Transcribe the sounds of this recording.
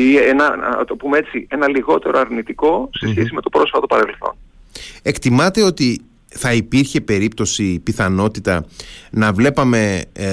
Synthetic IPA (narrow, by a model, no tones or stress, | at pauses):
ienɐ̰t̪o̞pumeet͡sie̞nɐliɣo̞t̪e̞ɾoɐɾnit̪iko̞sesçesime̞t̪o̞pɾo̞sfɐt̪o̞pɐɾe̞lθo̞̰ne̞kt̪imɐt̪e̞o̞t̪i | θɐipiɾçe̞pe̞ɾip̚t̪o̞sipiθɐno̞t̪it̪ɐnɐvle̞pɐme̞